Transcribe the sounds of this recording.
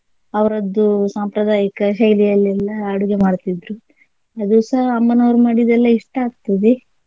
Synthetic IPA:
ɐʋɐɾɐd̪ːusaːmpɾɐd̪aːjɐkɐɦɐjlijɐlːɛlːɐːɽuɡemaːɽt̪id̪ɾu | ɐd̪usɐɦɐɐmːɐnoːɾumaːɽid̪ɛlːɐiʂʈɐaːɡ̚t̪ɐd̪e

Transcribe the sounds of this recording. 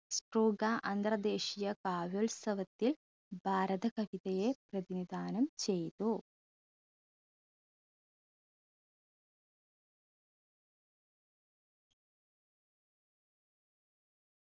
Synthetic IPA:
sʈruːɡaʔɐnd̪rɐd̪e̞ːʂijɐkaːʋolsɐʋɐt̪ːil | bʱaːɾɐðɐkɐʋiðɐjeprɐðinid̪ʱaːnɐmt͡ɕe̞jt̪u

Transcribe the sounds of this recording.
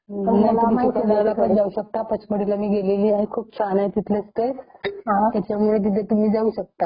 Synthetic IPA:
naammait̪ʰenaɾlapəd͡zauɕək̚t̪apət͡ɕʰpəɽilamiːɡeleliːaɦĩkʰuːpsanajt̪it̪ʰləst̪əj | t̪jat͡ɕjaʋiʋɭet̪̬it̪ʰet̪um̤iːd͡zauːɕək̚t̪a

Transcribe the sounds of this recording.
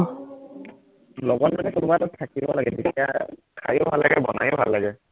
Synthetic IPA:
lɔɡɔt̚manɛkʊnʊbatʊtʰakibɔlaɡɛditiakʰa̰jʊbʱalːaɡɛbɔ̰najobʱa̰lːaɡɛ

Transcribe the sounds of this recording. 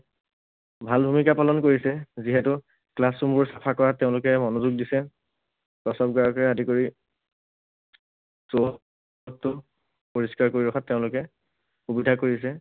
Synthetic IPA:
bʱalbʱumikapalɔnkoɹisɛziɦɛtʊ | klasɹumbʊɹsapʰakɔɹatːeʊ̃lʊkɛmɔnozuɡ̚disɛ | kɔsɔp̚ɡaɔkɛadikoɹi | so | ɔtːʊ | poɹiskaɹkoɹiɹɔxʰatːeʊ̃lʊkɛ | xubidʱakoɹisɛ

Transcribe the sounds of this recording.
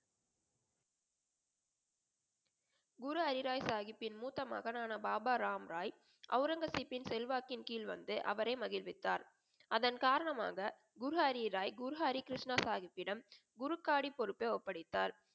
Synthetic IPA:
ɡʊɾʊɐɾɪɾaːjsaːɣɪpːɪnmuːt̪ːɐma̰ːɣɐnaːnɐbaːbaːɾaːmɾaːj | ʔɐ̰ʊɾɐŋɡɐsipːɪnsɛlʋaːkɪnkiːlʋɐ̰nd̪ɯʔɐ̰ʋɐɾɐɪmɐɣɪlʋɪt̪ːaːɾ | ʔɐðɐnkaːɾɐɳɐma̰ːɣɐ | ɡʊɾʊɐɾɪɾaːjɡʊɾʊɦaːɾikɪɾɪʂɳasaːɣɪpːɪɽɐm | ɡʊɾɯkːaːɽipɔɾɯpːeɔpːɐɽɪt̪ːa̰ːɾ

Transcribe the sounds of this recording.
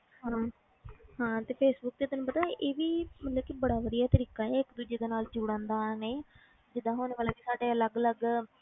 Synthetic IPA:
hãː | ɦãːt̪eːpʰeːsbʊk̚d̪eːt̪ənũːpət̪aːʔeːʋiːmət̪ləbkibəɽaːʋəd̪ijaːt̪əɾiːkãːɛːɪkd̪uːd͡ʒeːd̪eːnaːld͡ʒuːɽãːnd̪aːneː | d͡ʒɪd̪ãːɦoːnːʋaːleːkisaːɖeːələɡələɡ

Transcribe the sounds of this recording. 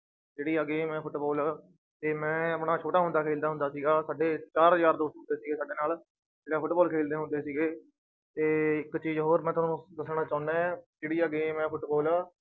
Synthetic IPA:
d͡ʒeːɽiːəɡeːmɛ̃ːpʰʊʈboːlaː | t̪eːmɛ̃ːəpɽaːt͡ʃʰoːʈaːɦʊ̃nd̪aːkʰeːld̪aːɦʊnd̪aːsiːɡaːsaːɖeːt͡ʃaːɾd͡ʒaːɾd̪oːst̪ɦnd̪eːsiːɡeːsaːɖeːnaːl | d͡ʒeːɽãːpʰʊʈbɔːlkʰeːld̪eːɦʊnd̪eːsiːɡeː | t̪eːɪkt͡ʃiːd͡ʒɦoːɾmɛ̃ːt̪ʊaːnũːd̪əsɳãːt͡ʃaːʊnãːd͡ʒeːɽiːəɡeːmɛ̃ːpʰʊʈbɔːlaː

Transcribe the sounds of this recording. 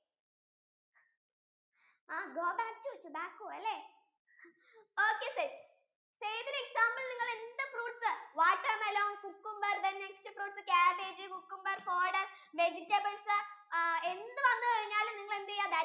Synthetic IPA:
aːɡoːbaːk̚tutːubaːkːuɐlːeː | oːkːesed͡ʑ | seːjt̪ineksaːmbɐlniŋːɐɭend̪ɨfruːʈsɨʋaːʈːɐmɐloːŋkukːumbɐrd̪ɐnːekʂɐfruːʈsɨkaːbeːd͡ʑɨkukːumbɐrfoːɖɐr | med͡ʑikʲːɐbɐɳsɨe̞nd̪ɨʋɐnːɨpɐɽiɲːaːlumniŋːɐɭend̪ijaːd̪a

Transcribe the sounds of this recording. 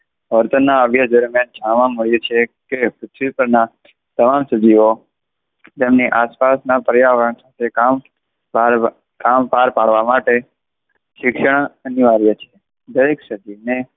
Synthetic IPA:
ʋəɾt̪ənːaəʋjad͡ʒəɾmjãd͡ʒʱãʋãməɭjut͡ʃʰekepʊt̪ʰʋipəɾna | t̪əmamsəd̪ʱio | t̪emniʔaspasnapɾəjaʋəɳsat̪ʰekam | aɾ | kampaɾpaɽʋamaʈe | ʃɪkʃəɳ̃əniʋaɾjət͡ʃʰe̥ | d̪əɾeksəd̪ine

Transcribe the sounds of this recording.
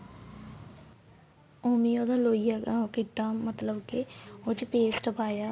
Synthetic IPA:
oːmiːoːd̪ãːloːijaːkɪk̚d̪aːmːət̪ləbkeoːt͡ʃpeːsʈəpaːjaː

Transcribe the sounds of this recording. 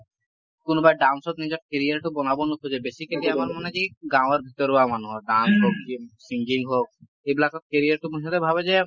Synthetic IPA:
konobajɖawnsɔt̪nid͡ʑɔt̚keɾiaɾʈubɔnabonukʰod͡ʑebesikaliamaɾmoned͡ʒiɡãwaɾbʱit̪ɔɾamanuɦɔɖansɦok̚d͡ʑisiŋɡiŋɦok̚ | eblakɔk̪̚keɾijaɾʈupoɾiʃ̬ɔt̪ebʱabed͡ʑe

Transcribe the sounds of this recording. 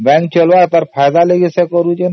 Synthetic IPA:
bɛ̃ŋk̚t͡ʃəlʋat̪əɾpʰajd̪aleɡesekɔɾud͡ʒen

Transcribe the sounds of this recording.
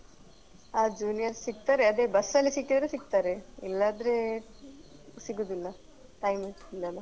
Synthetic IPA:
aːd͡ʒuːnijɐɾsiɡ̚t̪aːɾeɐd̪eːbɐsɐlːisikːid̪ɐɾesiɡt̪aːɾeilːaːd̪ɐɾe | siɡud̪ilːɐ | ʈɐjmiilɐlɐ

